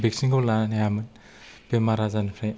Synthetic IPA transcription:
beksiŋkʰowlaanjamɯn | bemaɾazanpʰɾaj

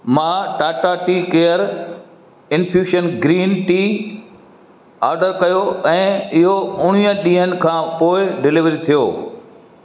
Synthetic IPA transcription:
mãːʈaːʈaʈiːkeːəɾ | ɪnpʰjuːʃənɡɾiːnʈiː | aːɾɖəɾkɐjoɛ̃ːɪɦoʊɽ̤̃ijə̃ɗĩːɦənɪ̆kʰãːpoːɪɖɪlɪʋɾit̪ʰijoː

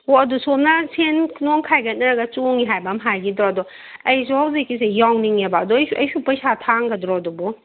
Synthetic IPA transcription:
ɔɐdusomnasʰenkʰnɔŋkʰajɡɐnɐɾɐɡɐt͡ʃoŋiɦajbamɦajɡidɾɔdɔ | ɐjsɔhawzikːis̬ejawniŋebaɐdɔjsuʔɐjsupɐjsatʰaŋɡɐdɾɔdɔbɔ

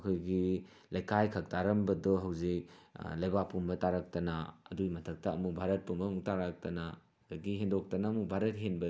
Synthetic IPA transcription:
ɐkʰojɡi | lɐjkʰajkʰɐk̚tʰaɾɐmbɐdɔɦɐwziklɐjbapʰumbɐtaɾak̚tɐnɐ̰ːdujmɐtʰɐk̚tɐːmukbʱaɾɐt̚pumbɐɐmuk̚taɾak̚tɐnɐ | dɐɡiɦendok̚tɐnɐːmukbʱaɾɐt̚ɦenbɐ

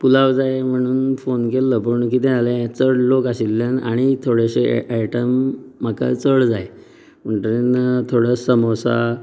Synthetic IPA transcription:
pulaʋd͡zajem̤əɽ̃uːnfonkelːəpəɳkit̪ɛ̃alẽt͡səɽlokaɕilːanaɽ̃it̪ʰoɽeɕḛʔajʈəmːaka̰t͡səɽd͡zaj | m̤əɳʈəɾent̪ʰoɽəsəmɔsa̰

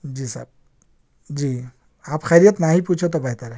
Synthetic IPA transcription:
d͡ʒisa̰b̚ | d͡ʒi | apxʰaɾijət̪naɦiput͡ʃʰot̪ɔbaɦt̪aɾɛ

